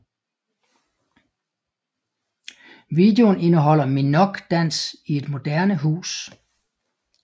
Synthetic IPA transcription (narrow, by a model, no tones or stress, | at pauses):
ʋiːd̥e̝o̝ne̝nəɦɒ̽l̰ɐminɒ̽ɡ̥d̥æn̰sie̝d̥mo̝d̥æɐnəɦṵːs